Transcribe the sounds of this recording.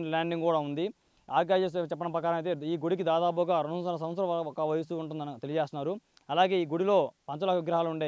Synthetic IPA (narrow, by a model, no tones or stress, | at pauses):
ʈlaːɳɖiŋɡkuːɽaːund̪i | aːɡaːd͡ʒes̬t͡ʃɛpːɐɽɐmpɾɐkaːɾɐjt̪eːiːɡuɽik̬id̪aːd̪aːbuɡaːɾonusɐnɐs̬ɐmʋɐt̪sɐɾɐɔkɐʋɐjɐsuuɳʈ̬und̪ɐnt̪e̞liɐd͡ʒeːst̪unaːɾu | ɐlaːɡe̞ːiːɡuɽilo̞ːpɐɲt͡ʃɐlakɐʋiɡɾɐɦaːluuɳɖeː